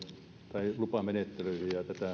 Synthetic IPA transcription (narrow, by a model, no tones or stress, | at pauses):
t̪ɑilupɑmenet̪ːeløisijɑt̪æt̪æˑ